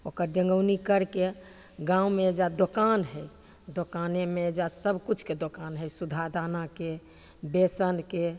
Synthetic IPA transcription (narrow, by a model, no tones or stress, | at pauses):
okəɾɖə̃ŋɡəʊnikəɾke | ɡãumed͡ʒad̪okanɦɛj | d̪okanemed͡ʒasəbʱkut͡ʃʰked̪okanɦɛjsud̪ʱad̪anake | besənke